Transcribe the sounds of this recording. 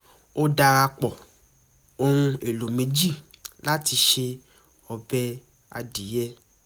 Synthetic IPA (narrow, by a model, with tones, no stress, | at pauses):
o˦da˧ɾa˧k͡pɔ˨ | o˧hũ˧e˨lo˨mẽ˨˧˦d͡ʒi˦˨la˦ti˧ʃe˧ | ɔ˧bɛ˦ | a̰˧di˨˦jɛ˦